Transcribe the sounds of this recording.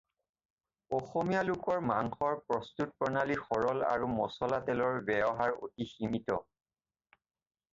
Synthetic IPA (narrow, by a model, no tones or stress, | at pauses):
ɔxɔmijalʊkɔɹmaŋxɔɹpɹɔstut̚pɹɔnalixɔɹɔla̰ɹumɔsɔlatɛlɔɹbɛjɔɦaɹo̰tiximitɔ